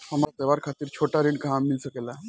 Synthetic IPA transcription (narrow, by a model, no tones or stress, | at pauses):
həmaɾat̪eʋaɾkʰat̪iːɾt͡ɕʰoʈaɾiɳkaɦãmːilsəkela